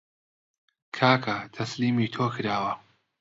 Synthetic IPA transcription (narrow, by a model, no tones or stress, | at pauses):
kʰaːkʰɐt̪ʰɐsliːmiːt̪ʰoːkʰɨɾaːwɐ